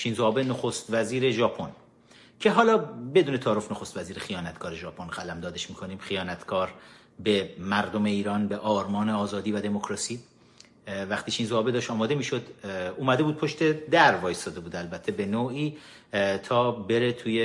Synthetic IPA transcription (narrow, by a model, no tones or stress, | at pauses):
t͡ʃʰiːnzoɒːbenoxost̪væziːɾeʒɒːpʰo̞n | cʰe̞ɦɒːlɒːbe̞d̪uːne̞t̪ʰɒːɾofnoxost̪væziːɾexijɒːnæt̪ʰkɒːɾe̞ʒɒːpʰonɢælæmd̪ɒːd̪eʃmiːkʰo̞niːmχijɒːnæt̪ʰkʰɒːɾ | be̞mæɾd̪ome̞iːɾɒːnbeʔɒːɾmɒːneɒːzɒːd̪iːvæd̪emokʰɾɒːsiː | væχt̪iːt͡ʃʰinzoɒːbe̞d̪ɒːʃt̪ɒːmɒːd̪e̞miːʃod̪uːmæd̪e̞buːd̪̚pʰo̞ʃt̪e̞d̪æɾvɒːjest̪ɒːd̪e̞buːd̪ælbæt̪ʰːe̞be̞noːiː | t̪ʰɒːbe̞ɾet̪ʰuːje